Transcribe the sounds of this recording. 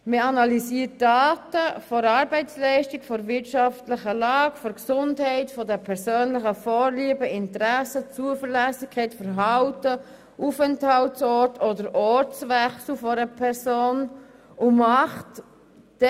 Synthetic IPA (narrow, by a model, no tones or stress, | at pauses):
məɑnɑlisiːət̚d̥aːtəfɔɾɑːɾbɛɪt͡slɛɪʃtikfɔɾvɪɾtʃɑftlɪχəlɑːɡfɔɾksʊndhɛɪtfɔdəpʰɛɾsøːnlɪχəfɔːɾliəbəɪntɾɛsət͡suəfəɾlæsɪçkʰːɛɪtfəɾɦɑʊtə | ʔufɛnthɑltsɔɾtʰɔdəɾʔɔɾt͡svɛxsl̩fɔɾəpʰɛɾsoːn | ʊmɑχt | d̥